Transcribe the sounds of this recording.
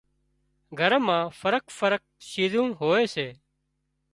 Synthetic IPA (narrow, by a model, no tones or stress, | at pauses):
ɡʱəɾmãːfəɾəkfəɾək̚ʃiːzũːɦoːeːseː